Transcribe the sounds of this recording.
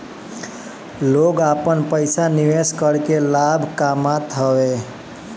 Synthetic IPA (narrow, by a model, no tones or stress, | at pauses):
loɡapənpəjsaniʋeskəɾkelabʱkamat̪ɦəwe